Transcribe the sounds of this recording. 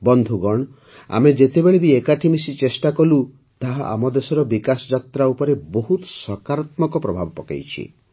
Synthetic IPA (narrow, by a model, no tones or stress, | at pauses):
bɔnd̪ʱuɡɔɳ̃ | a̰med͡ʒet̪ebeɭibiekaʈʰimisit͡ʃesʈakɔlu | t̪aɦaʔa̰mɔd̪esɔɾɔbikasɔd͡ʒat̪ɾaupɔɾeboɦut̪sɔkaɾat̪mɔkɔpɾɔbʱabɔpɔka̰jt͡ʃʰḭ